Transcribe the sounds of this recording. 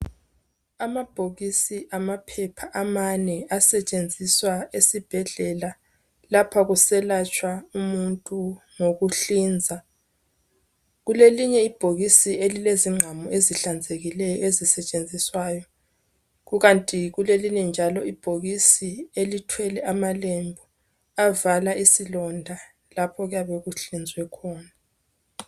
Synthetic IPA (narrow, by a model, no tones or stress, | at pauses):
amab̥ʱoɣisiʔamapʰɛpʰaʔamanɛasɛt͡ʃʼend͡zʱiswaesib̥ʱɛɮɛla | lapʰaɣusɛlat͡ʃʼwaumuntʼu | ŋoɣuɬiːnd͡zʱa | ɣuleliɲɛib̥ʱoɣisielileziŋ͡ǀʱamɔʔeziɬand͡zʱeɣilɛjɔezisɛt͡ʃʼend͡zʱiswaːjɔ | ɣuɣantʼiɣuleliɲɛnd͡ʒʱalɔib̥ʱoɣisielitʰwɛlɛʔamalembʱɔ | avalaʔisilɔndʱa | lapʰɔɣjaβɛɣuɬind͡zʱwɛkʰɔːna